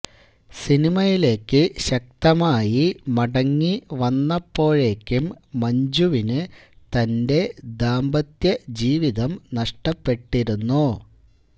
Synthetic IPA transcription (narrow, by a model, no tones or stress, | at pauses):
sinimɐjile̞ːkːɨɕɐk̚t̪ɐmaːjimɐɽɐŋːiʋɐnːɐpːo̞ːɻe̞ːkʲːumː | ɐɲd͡ʑuʋinɨt̪ɐnde̞d̪aːmbɐt̪jɐd͡ʑiːʋiðɐmnɐʂʈɐpːe̞ʈːiɾunːu